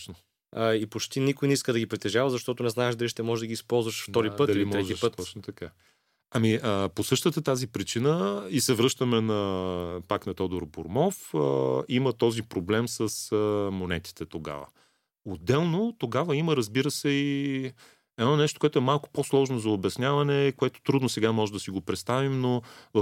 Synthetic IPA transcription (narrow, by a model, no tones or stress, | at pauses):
t͡ʃno | əipot͡ʃt̪inikʊjniskəd̪ɐɡipɾit̪ɛʒavɐzɐʃt̪ɔt̪ʊnɛznaɛʒd̪ɐliʃt̪ɛmɔʒɛd̪ɐɡispɔlˠzvɐʃft̪ɔɾipət̪ɐllimɔʒipət̪t̪ɔt͡ʃnot̪ɐka | ɐmiəposɤʃt̪ət̪ət̪azipɾit͡ʃinəisɛvɾɤʃt̪əmɛnɐpaknɐt̪ɔd̪oɾbo̰ɾmɔfə̰imət̪ɔzipɾoblɛmsəsəmonɛ̰t̪i̥t̪ɛt̪oɡa̰və̰ | od̪ːɛlˠnot̪oɡavəiməɾɐzbiɾəsɛi | ɛd̪ɔnɛʃt̪o̥koɛt̪ʊɛmalˠko̥poslˠɔʒnozɐobɛsnʲjavɐnɛkoɛt̪o̥t̪ɾud̪nʊsɛɡamɔʒɛd̪ɐəsiɡopɾɛt̪st̪avimnov